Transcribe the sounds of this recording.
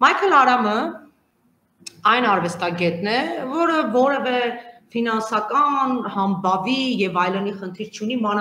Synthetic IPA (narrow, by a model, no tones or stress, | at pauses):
mɑjkʰɛlɑɾɑmə | ɑjnɑɾvɛst̪ɑɡɛt̪nɛvɔɾəvɔɾɛvɛfinɑnsɑkɑnhɑmbɑvijɛvɑjlɛniχənt̪ʰiɾt͡ʃʰunimɑn